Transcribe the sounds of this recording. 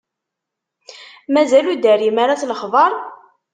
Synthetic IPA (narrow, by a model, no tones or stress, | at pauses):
mæzælud̪ærimaɾat͡sləχðˤɑɾˤ